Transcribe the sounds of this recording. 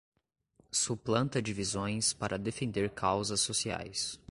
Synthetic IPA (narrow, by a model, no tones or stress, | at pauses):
suplɐ̃nt̪ɐd͡ʒivizõj̃spaɾʔɐd̪efẽnd̪eɾkʰawzɐsːosia̰js